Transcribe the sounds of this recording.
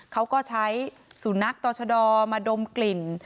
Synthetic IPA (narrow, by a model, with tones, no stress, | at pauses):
kʰa˦˥wkɔː˥˩t͡ɕʰa˦˥j | su˨˩˦na˦˥k̚t̪ɔː˧t͡ɕʰa˧dɔː˧maː˧do˧mkli˨˩n